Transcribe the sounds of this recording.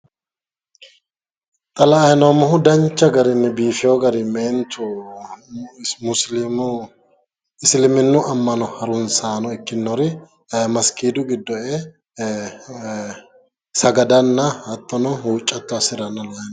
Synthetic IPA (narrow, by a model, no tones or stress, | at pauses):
t̪ʼɐlɐːjnoːmɐɦʊd̪ɐnt͡ʃːɐɡɐɾɪnːɛbiːfɪjoɡɐɾɪmeːnt̪ʊ | mʊslɪmʊ | ɪslɪmɪnːʊʔɐmːɐnɔhɐɾʊnsaːnɔɪkːɪnːɔɾɪ | mɐskiːd̪ʊɡɪd̪ːɔʔe | sɐɡɐd̪ɐnːɐhɐt̪ʼːɔnɔɦuːt͡ʃʼːɐt̪ːʊɐsɪɾɐnːɐlɐjɐn